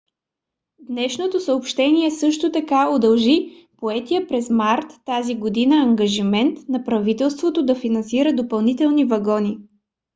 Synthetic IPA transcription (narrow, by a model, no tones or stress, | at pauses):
d̪nɛʃnot̪osəopʃt̪ɛniɛsɤʃt̪ot̪ɐkaod̪ɐlˠʒi | poɛt̪iəpɾɛzmaɾt̪ːaziɡod̪inəːŋɡɐʒimɛnt̪nɐpɾɐvit̪ɛlˠst̪vot̪od̪ɐfinɐnsiɾəd̪opɐlˠnit̪ɛlˠnivɐɡɔni